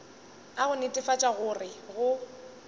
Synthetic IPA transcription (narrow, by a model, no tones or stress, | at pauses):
aɣʊnetʼɪfat͡ʃʼaɣʊrɪɣʊ